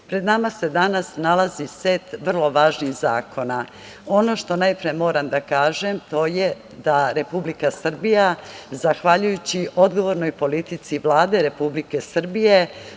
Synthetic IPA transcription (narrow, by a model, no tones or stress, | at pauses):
pɾe̞d̪namase̞d̪anasnalaziset̪ʋr̩lˠo̞ʋaːʒniɣza̰ːko̞na | o̞no̞ʃt̪o̞najpɾijemo̞ːɾamd̪akaːʒemt̪o̞je | d̪aɾe̞publikasr̩bijazaxʋaʎujut͡ɕiʔo̞d̪ɡo̞ʋo̞ɾno̞jpo̞lit̪it̪siʋlˠaːd̪e̞ɾe̞publike̞sr̩bije̞